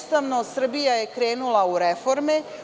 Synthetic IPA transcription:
st̪aʋnosr̩bijaje̞kɾe̞ːnulauɾe̞fo̞ɾme

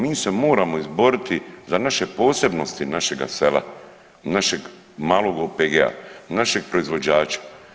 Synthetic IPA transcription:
miːse̞mo̞ːɾamo̞izbo̞ɾit̪izanaʃe̞po̞ːse̞bno̞st̪inaʃe̞ɡa̰se̞la̰ | naʃe̞ɡ | maːlˠoɡopeɡea̰naʃe̞ɡ̚pɾo̞izʋo̞d͡ʑaːt͡ɕḁ

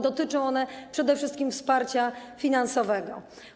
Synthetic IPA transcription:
d̪ɔt̪ɘt͡ʂɔ̃w̃ɔnɛpʂɛd̪ɛfʂɘst̪kʲimfspaɾt͡ɕafʲinansɔvɛɡɔ̰

